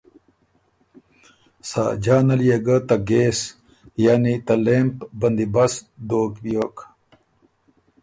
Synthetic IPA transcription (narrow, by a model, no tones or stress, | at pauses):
sa̰ːd͡ʑaːnɐlijeɡat̪ɐɡes | jaːnit̪ɐlempbɐnd̪ibɐsd̪oːkbijoːk